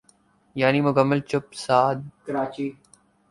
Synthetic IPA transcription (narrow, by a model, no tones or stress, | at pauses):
jaːniːmʊkəmːəlt͡ʃʊp̚saːd̪̚kɐɾaːt͡ʃiː